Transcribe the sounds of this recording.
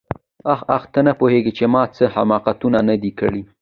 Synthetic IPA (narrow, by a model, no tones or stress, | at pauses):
axaxt̪ənapoheɡit͡ʃemɑt͡səha̰mɑqat̪unanad̪ikə̰ɽi